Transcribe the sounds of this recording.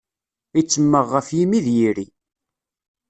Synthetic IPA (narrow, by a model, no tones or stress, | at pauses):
it͡sːəmːəʁːəfjimiðjiɾi